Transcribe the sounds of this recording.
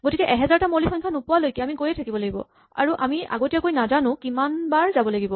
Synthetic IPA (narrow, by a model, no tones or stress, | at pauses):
ɡotikɛʔɛɦɛzaɹtamolixɔɲkʰanupuwalojkiamikojɛtʰakibɔlaɡibɔ̰ | a̰ɹuʔamia̰ɡotijakojnazanʊ̃kimanbaɹzabɔlaɡibɔ